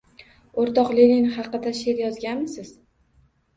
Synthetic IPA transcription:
oɾt̪ɒqlelinχɑqɨd̪aʃe̞ɾjɒzɡʲanmɪsɪz̥

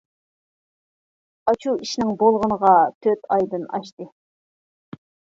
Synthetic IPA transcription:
ɑt͡ʃʰuiʃnɪŋbolˠʁənəʁɑt̪ʰøt̪ʰɑjd̪ɨnɑ̰ʃt̪ɨ

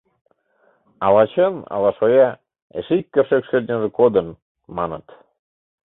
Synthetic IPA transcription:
ɑlɑt͡ɕənɑ̰lɑʃojɑ | ḛʃikʲːərʃekʃerʲnʲəʒĕkod̪ən | mɑnət̪

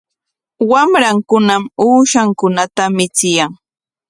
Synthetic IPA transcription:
wamɾaŋkʊnamuːʃaŋkʊnat̪amɪt͡sɪjaŋ

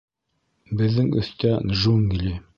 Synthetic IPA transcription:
bɘ̆ðːɘŋɵ̰̆θt̪æʒuŋɡlʲi

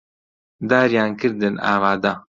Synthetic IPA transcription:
d̪aːɾjaːnkɨɾd̪ɨna̰ːvaːd̪a

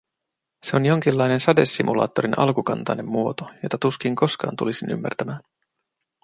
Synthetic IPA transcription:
se̞o̞njo̞ŋk̟ilːɑjne̞nsɑde̞sːimulɑ̰ːt̪ːo̞ɾinɑ̰lkukɑnt̪ɑjne̞mːuot̪ojo̞t̪ɑt̪usk̟iŋko̞skɑ̰ːnt̪ṵlisiny̰mːæ̰rt̪æmæːn

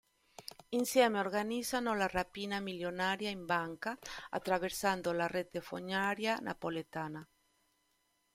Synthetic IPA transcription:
insjɛmeoɾɡanizanolarapinamiljonaɾjaimbaŋkaa̰t̪ːɾaβeɾsand̪olaret̪efo̰ɲaɾjana̰polet̪aːna

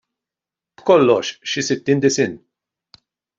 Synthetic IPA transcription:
b̥kɔlːɔʃʃɪsɪt̪ːiːnd̪ɪsɪn

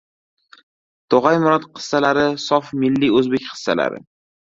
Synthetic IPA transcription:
d̪̥ʰɒʁajmʊɾɒt̪qʰɨ̥sːalaɾɪsɒfmɪlːiɵzbekʲχɨ̥sːa̰la̰ɾɪ̰

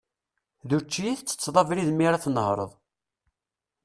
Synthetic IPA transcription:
ðuɾt͡ʃːijiθt͡sːə̥t͡sːðˤɑvɾiðmːiɾaθnəhɾˤə̰ðˤ

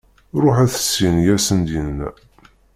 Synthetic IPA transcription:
ɾˤʊħæθə̥sːinjæsənd̪inːæ

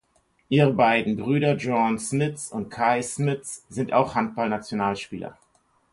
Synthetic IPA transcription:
ʔiːʁəbaɪdn̩bʁyːɾɐd͡ʒɔnsmɪtsʊnt̚kʰaɪsmɪtt͡sz̥ɪntaʊxhant̚b̥alnat͡sjonaːlʃpiːlɐ̰

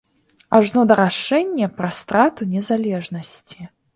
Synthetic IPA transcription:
aʐnɔd̪ɐɾaʂɛnʲːɛpɾɐst̪ɾat̪unʲɛzalʲɛʐnɐsʲt͡sʲi

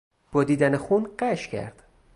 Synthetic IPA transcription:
b̥ɒːd̪iːd̪ænexuːnɢæʃcʰæ̰ɾd̪̥

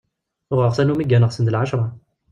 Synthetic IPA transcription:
ʁəʁsænumiɡːænəʁsənd̪əlʕaʃɾˤɑ

